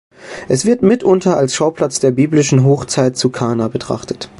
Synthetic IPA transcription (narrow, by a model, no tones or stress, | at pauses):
ʔɛsv̥ɪɐtmɪtʔʊntɐalsʃaʊplat͡sd̥eːɐbiːblɪʃn̩ɦoːxt͡saɪt̚t͡sukʰaːnabətʁ̥a̰χtə̥t